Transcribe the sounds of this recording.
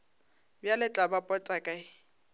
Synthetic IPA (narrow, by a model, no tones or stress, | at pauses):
bjalɪt͡ɬʼabapʼɔt͡sʼakʼaɪ